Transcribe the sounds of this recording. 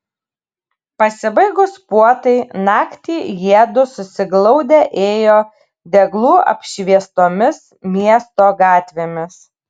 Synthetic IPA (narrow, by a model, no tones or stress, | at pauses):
pɐsʲɪbɐɪɡʊspuɔt̪ɐɪnɑːkt̪ʲiːjiɛd̪ʊsʊsʲɪɡlˠɔʊd̪ʲɛʔeːjoː | d̪ʲɛɡlˠuːɐ̰pʲʃʲʋʲiɛst̪oːmʲɪs | mʲiɛst̪oːɡɑːt̪ʲʋʲeːmʲɪs